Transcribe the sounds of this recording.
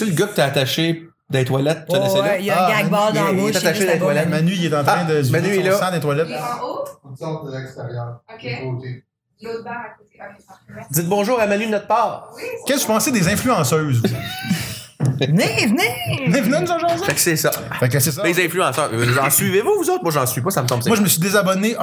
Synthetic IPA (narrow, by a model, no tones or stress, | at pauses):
seləɡok̚t̪əat̪aʃe | d̪ɛ̃t̪walɛt̪̚nɛsɛjɡabɑd̪t̪at̪aʃed̪ɛ̃t̪walɛmanɥiet̪ɑ̃ːt̪ɛ̃d̪əzmanielɔsãd̪ɛ̃t̪walɛt̪ | ut̪sɔt̪d̪əlɛkst̪ɛʁjœːʁɛ̃kot̪e | d͡z̪ɪt̪̚bɔ̃ʒuːʁamanɥid̪ənɔt̪̚pɑːʁkʲɛsu̥pɑ̃sed̪ezɛ̃flyɑ̃sœ˞zs | vnevnenevnenuzãʒɑ̃ːzefɛksɛsʌ | fɛk̬ːəses̬d̪ezɛ̃flyɑ̃sœːɑ̃sɥivevuvuzoʊt̪̚mwɐʒɑ̃sɥipʌsamət̪ɔ̃bsmwaʒəməsɥid̪ezabɔneʔ